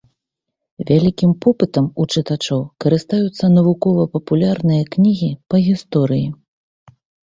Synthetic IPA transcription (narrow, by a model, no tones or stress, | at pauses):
vʲalʲikʲimpɔpɨt̪ɐmut͡ʂɨt̪at͡ʂɔwkɐɾɨst̪ajut̪sːɐnɐvukɔvɐpɐpulʲarnɨjɐknʲiɣʲipɐɣʲist̪ɔɾɨji